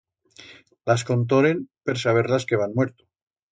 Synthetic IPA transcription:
lasko̞nt̪̬oɾenpeɾsaβ̞e̞ɾlaske̞β̞anmwe̞ɾt̪o

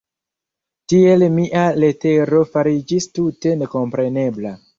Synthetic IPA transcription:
tie̞lmiʔale̞te̞ɾo̞faɾid͡ʒistute̞ne̞ko̞mpɾe̞ne̞bla

